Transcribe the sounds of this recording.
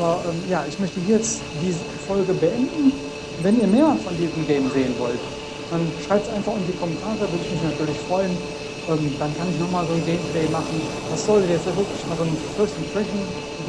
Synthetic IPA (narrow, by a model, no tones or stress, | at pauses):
ʔabɐʔɛːmjaːʔɪçmœçtəhiːɐjɛt͡st | d̥iːzəfɔlɡəbəʔɛndn̩ | vɛniːɐmeːɐmasfɔndiːzəm̩ɡɛɪmzeːənvɔ̰lt | d̥anʃʁ̥aɪp̚tzaɪnfaχʊmdiːkʰɔmɛntʰaːʁəvɪɐdəɪçmɪç̬natʰyːɐlɪçfʁ̥ɔʏən | ʔɛːmd̥ankʰanɪçnɔχmaːlzoːnɡɛɪmplɛɪmaχn̩ | v̥asz̥ɔldjɛstjavɪɐklɪçmaːlzoːnənfɛɐstn̩fʁ̥ɛçn̩